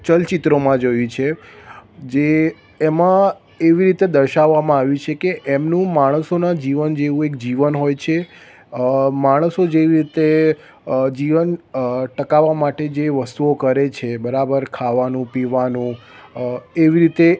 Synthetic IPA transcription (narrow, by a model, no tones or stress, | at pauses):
t͡ʃəlt͡ʃit̪ɾomãd͡ʒojũt͡ʃʰe | d͡ʒeː | mã | eʋiɾit̪ed̪əɾʃaʋːamãaʋjũt͡ʃʰekeʔemnũmaɽ̃əsonad͡ʒiʋənd͡ʒeʋũekd͡ʒiʋənɦojt͡ʃʰe | maɽ̃əsod͡ʒeʋiɾit̪e | d͡ʒiʋənʈəkaʋːamaʈed͡ʒeʋəst̪uokəɾet͡ʃʰebəɾabəɾkʰaʋanũpiʋanũ | eʋiɾit̪e